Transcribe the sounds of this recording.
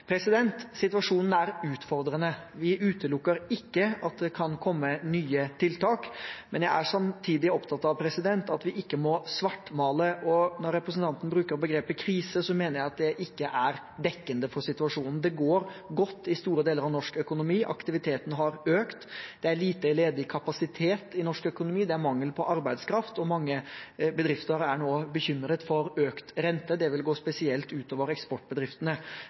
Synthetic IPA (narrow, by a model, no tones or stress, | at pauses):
pʰɾɛsɪd̪ɛnt̪sɪt̪ʉɑʂuːnn̩æɾʉːt̪fɔɾd̪ɾənəʋɪʔʉːt̪əlʊkːəɾɪkːəɑt̪̚d̪ɛkʰɑnkʰɔmːənyːət̪ʰɪlt̪ʰɑːkmɛnjæɪʔæʂɑmt̪ʰiːd̪ɪɔpt̪ʰɑt̪ːɑʋpʰɾɛsɪd̪ɛnt̪ɑt̪ʋɪʔɪkːəmɔsʋɑʈːmɑːləʔɔnɔɾːɛpɾəsn̩t̪ɑnt̪ən̩bɾʉːkəɾbəɡɾeːpəkʰɾiːsəsɔmeːnəɾjæɪɑt̪̚d̪ɛʔɪkːəʔæɾ | d̪ɛkːənd̪əfɔɾsɪt̪ʉɑʂuːnn̩d̪ɛɡoːɾɡɔt̪ːɪst̪uːɾəd̪eːləɾɑʋnɔʂkœkʊnʊmiːʔɑ̰kt̪ɪʋɪt̪ʰeːt̪ənɦɑɾøːkt̪d̪̥ɛæɭiːt̪əleːd̪ɪkʰɑpɑsɪt̪ʰeːt̪ɪnɔʂkœkʊnʊmiːd̪ɛæɾmɑŋːəlpʰɔʔɑɾbæɪd̪skʰɾɑft̪ɔmɑŋːəbəd̪ɾɪft̪əɾæɳoːbəçʏmːɾət̪fɔɾøːkt̪ɾɛnt̪əd̪ɛʋɪlɡoːspɛsɪɛlt̪ʉːt̪oːʋəɾɛkspɔʈ̚bəd̪ɾɪft̪ənə